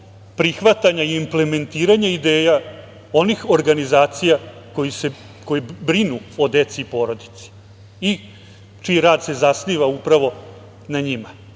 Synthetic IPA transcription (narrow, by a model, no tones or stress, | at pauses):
pɾixʋat̪aɲaiimpleme̞nt̪iːɾaɲaid̪eːja | o̞nixo̞ɾɡanizaːt̪sijako̞jise | ko̞jebɾinuod̪e̞t̪siːpo̞ːɾo̞d̪i̥t̪si̥ | i | t͡ʃiiɾaːd̪se̞zasniːʋaupɾaʋo̞ | naɲima